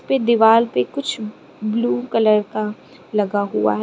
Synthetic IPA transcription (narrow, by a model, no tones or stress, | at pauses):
ped̪ɪʋaːlpekʊt͡ʃʰ | bluːkɐləɾka | lɐɡaɦua̰ɦ